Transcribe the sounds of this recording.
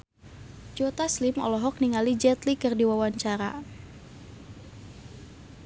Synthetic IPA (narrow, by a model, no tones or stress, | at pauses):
d͡ʒot̪aslimɔ̰lɔɦɔk̚niŋalid͡ʒɛt̪likɨrdiwawaɲt͡ʃaɾa̰